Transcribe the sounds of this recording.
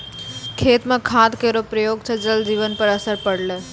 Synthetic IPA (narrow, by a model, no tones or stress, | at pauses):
kʰeːt̪mãkʰaːd̪kəɾopɾəjoːɡt͡ʃʰəd͡ʒəld͡ʒiʋənpəɾəsəɾpəɽle